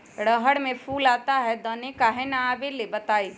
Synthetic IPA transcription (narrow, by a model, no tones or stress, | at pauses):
ɽəɦəɽmẽpʰuːlaːt̪aɦɛd̪ɔːnekaːɦɛnaaːbelebɐt̪aːiː